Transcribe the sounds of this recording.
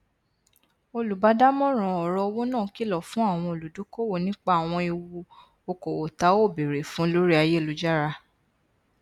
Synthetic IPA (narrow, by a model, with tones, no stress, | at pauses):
o˧lu˨ba˧˦da˦mɔ̃˦ɾ̃ɔ̃˨ɔ˨ɾɔ˧wo˦nãː˦˨ki˨˦lɔ˨fũ˨˦a˦˨w̃ɔ̃˧o˨lu˨du˨˦ko˦wo˦˨nĩ˦k͡pa˦a˨w̃ɔ̃˧i˧wu˧ | o˧ko˨wo˨ta˧˦o˦˨be˨ɾe˨fũ˨˦lo˦ɾi˦a˧je˦˨lu˦d͡ʒa˦ɾa˧